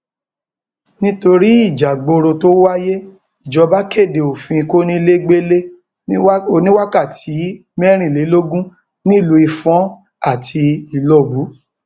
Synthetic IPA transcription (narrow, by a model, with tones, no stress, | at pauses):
nĩ˦to˧ɾi˦i˦˨d͡ʒa˨ɡ͡bo˧ɾo˧to˦wa˦je˦ | i˨d͡ʒɔ˨˦ba˦ke˦˨de˨o˨fĩ˧ko˦nĩ˦le˦ɡ͡be˦le˦ | o˧˨nĩ˦wa˦ka˦˨ti˨˦mɛ˦ɾ̃ĩ˦˨le˨˦lo˦ɡũ˦ | nĩ˦˨lu˨˧˦i˧fɔ̃˨˦ | a˦˨tʰi˧i˨lɔ˨bu˨˦